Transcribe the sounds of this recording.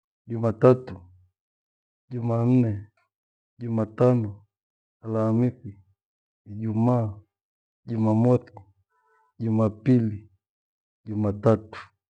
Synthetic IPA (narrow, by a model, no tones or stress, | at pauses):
ɟumatatu | ɟuman̩nɛ | ɟumatanɔ | alamikwi | iɟumaː | ɟumamɔθi | ɟumapili | ɟumatatu̥